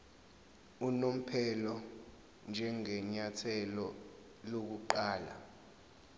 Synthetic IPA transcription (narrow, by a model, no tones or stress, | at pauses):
unom̩pʰɛlɔ | nd͡ʒʱɛŋɛɲatʰɛlɔ | lok̬uǃaːla̰